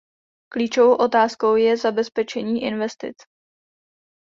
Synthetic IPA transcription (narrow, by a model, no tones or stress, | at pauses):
kliːt͡ʃovowʔo̞t̪aːsko̞wjɛzabɛspɛt͡ʃɛɲiːʔɪnvɛst̪ɪ̰t͡s